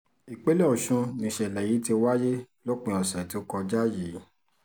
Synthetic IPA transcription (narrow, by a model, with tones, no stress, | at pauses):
i˨k͡pe˦le˦ɔ˨ʃũ˧nĩ˧˨ʃɛ˨lɛ˨ji˨˦te˧wa˦je˦ | lo˦k͡pĩ˧˨ɔ˨sɛ̃˨ti˦o˦kɔ˧d͡ʒa˦ji˨˦